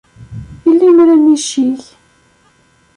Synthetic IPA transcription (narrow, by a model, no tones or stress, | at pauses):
ilːimɾæniʃiç